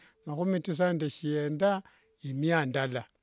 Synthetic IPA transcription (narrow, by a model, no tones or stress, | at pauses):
makumitis̬andaʃijenda | imijandala